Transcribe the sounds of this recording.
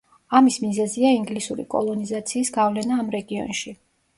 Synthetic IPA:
amismizɛziaiŋɡlisuɾḭkʼɔ̰lˠɔnizat̪sʰiːsɡavlɛnaːmɾɛɡiɔ̰nʃi

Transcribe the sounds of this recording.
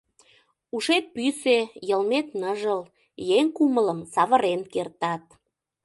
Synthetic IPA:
uʃet̪̚pysejəlmet̪nəʒəl | jeŋkumələmsɑβə̆ɾenkert̪ɑt̪̚

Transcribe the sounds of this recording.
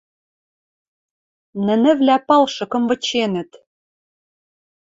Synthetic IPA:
nɘ̆nɘ̆vlæpɑlʃɤ̆kɤ̆mvɤ̆t͡ɕenɘ̆t̪

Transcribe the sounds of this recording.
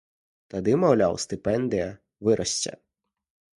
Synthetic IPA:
t̪ɐd̪ɪmɔwlʲa̰wst̪ɪpɛnd̪ɪjɐ | ʋɪɾʔɐsʲt͡sʲɐ̰

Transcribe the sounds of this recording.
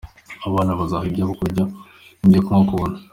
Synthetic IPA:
aβaːnaβazahaɟaβokoɟa | dekumŋakuβona

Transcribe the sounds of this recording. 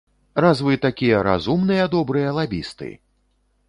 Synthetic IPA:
razvɨt̪akʲijɐɾa̰zumnɨjɐd̪ɔbɾɨjɐlˠabʲist̪ɨ̰

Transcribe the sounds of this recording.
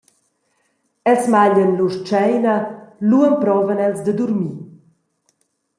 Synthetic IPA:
ɛlsmaʎənluʃt͡ʃɛjnəluənpɾɔvənɛlsd̪əd̪uɾmi

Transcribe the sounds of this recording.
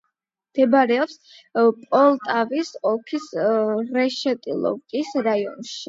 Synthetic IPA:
md̪̥ɛbɾɛɔps | pʼɔlˠt̪ʼavisɔkʰisɾɛʃɛt̪ʼḭlˠɔ̰vkʼisɾaiɔ̰nʃi̥

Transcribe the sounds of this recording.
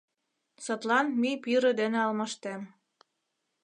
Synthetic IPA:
sot̪lɑnmipiɾĕd̪enĕɑlmɑʃt̪em

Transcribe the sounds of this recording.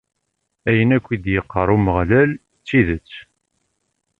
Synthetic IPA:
æjənækʷːid̪jəqːəɾˤuməʁlæl | t͡sːiðət͡sː

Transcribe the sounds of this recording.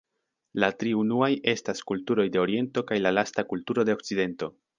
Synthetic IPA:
latɾiunuaje̞staskultuɾo̞jde̞o̞ɾie̞nto̞kajlalastakultuɾo̞deok̚t͡side̞nto̞

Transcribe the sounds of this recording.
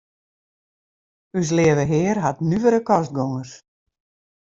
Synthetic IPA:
ys̬lɪəʋəɦɪːrɦatnyvəɾəkɔst̚ɡoŋərs

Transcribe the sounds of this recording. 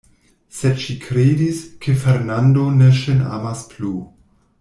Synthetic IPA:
sedʃikʰɾeːdiskʰefeɾnando̞neʃena̰masplu

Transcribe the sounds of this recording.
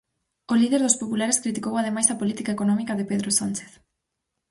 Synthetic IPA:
olið̞eɾðospopulaɾeskɾit̪ikowað̞emajsapolit̪ikaekonɔ̃mikaðepeðɾosant͡ʃe̥θ

